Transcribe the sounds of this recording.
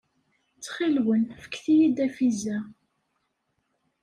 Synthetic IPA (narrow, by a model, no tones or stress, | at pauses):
t͡sːχilwənfə̥kːθijid̪æfizæ